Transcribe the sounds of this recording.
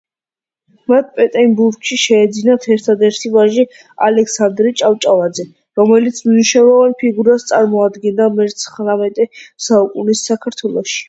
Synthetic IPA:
mat̪̚ʰpʼɛt̪ʼɛmbuɾɡʃiʃɛːd̪zinat̪ʰɛɾt̪ʰad̪ɛɾt̪ʰivaʒi | a̰lɛksand̪ɾit͡ʃʼavt͡ʃʼavad̪zɛ | ɾɔmɛlit̪sʰmnuʃnɛlˠɔvanpʰiɡuɾast̪sʼaɾmɔad̪ɡɛnd̪amɛɾt̪sʰχɾamɛt̪ʼɛsaukʼunisːakʰaɾt̪ʰwɛlˠɔʃi̥

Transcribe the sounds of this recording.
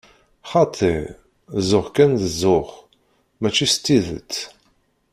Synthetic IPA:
χɑt̪ˤʰeɾ | zʊʁkænðəzʊʁ | mæt͡ʃːist̪ːiðə̰t͡sː

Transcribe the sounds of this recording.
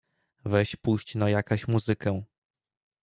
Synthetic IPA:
vɛɕpuɕt͡ɕnajakɔ̃ɕmuzɘkɛ̃

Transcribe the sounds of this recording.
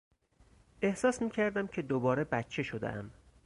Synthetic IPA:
e̞hsɒːsmiːcʰæɾd̪æmcʰe̞d̪obɒːɾe̞bæt̪t͡ʃʰe̞ʃod̪ḛʔæ̰m

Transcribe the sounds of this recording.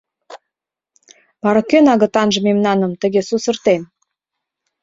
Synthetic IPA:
βɑɾɑkønɑɣə̆t̪ɑnʒə̆memnɑnə̆mt̪ə̆ɣesusə̆rt̪en

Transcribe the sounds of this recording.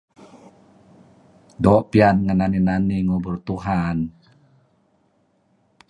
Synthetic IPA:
dɔʔpianŋananinaniŋubərt̪uɦan

